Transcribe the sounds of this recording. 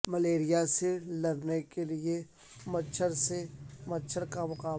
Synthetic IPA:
mɐleːɾijaselɐɾnekelie | mɐt͡ʃʰəɾsemɐt͡ʃʰəɾkamʊqaː

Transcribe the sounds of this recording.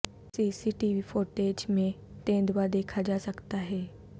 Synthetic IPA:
siːsiʈiʋifoʈeːd͡ʒmẽ | t̪ẽːd̪ʋad̪eːkʰad͡ʒaːsəkt̪aɦɛː

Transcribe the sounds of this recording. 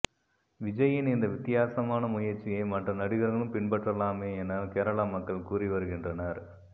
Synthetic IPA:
ʋɪd͡ʒɐjɪnɪnd̪ɐʋɪt̪ːɪjaːsɐmaːnɐmʊjɐɾt͡ʃːɪjɐɪmɐʈrɐnɐɽɪɣɐɾɣɐɭɯmpɪɳpɐʈrɐlaːmeːɛnɐkeːɾɐɭaːmɐkːɐɭkuːrɪʋɐɾɯɣɪndrɐnɐɾ

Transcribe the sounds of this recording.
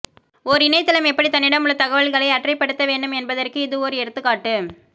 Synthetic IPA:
ɔɾɪnɐɪt̪ːɐlɐmɛpːɐɽit̪ɐnːɪɽɐmɯɭːɐt̪ɐɣɐʋɐɭɣɐɭɐɪɐʈrɐɪpːɐɽɯt̪ːɐʋeːɳɖɯmɛnbɐðɐrkɯɪðɯɔɾɯɛɾɯt̪ːɯkːaːʈːɯ

